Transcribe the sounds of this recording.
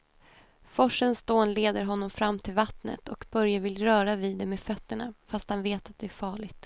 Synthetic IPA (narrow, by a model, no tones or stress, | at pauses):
fɔʂənsd̪oːnleːd̪əɾɦɔnːɔmfɾamːt̪ʰɪlvat̪nə̰t̪ʰɔkbœɾjavɪlɾœːɾavid̪ːɛmeːfœt̪ːəɳa̰fast̪hanveːt̪at̪̚d̪ɛæɾfɑːɭɪɡt̪